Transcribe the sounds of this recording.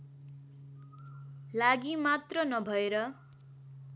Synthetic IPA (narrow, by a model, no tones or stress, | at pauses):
laɡimat̪rʌnʌbʱʌeɾʌ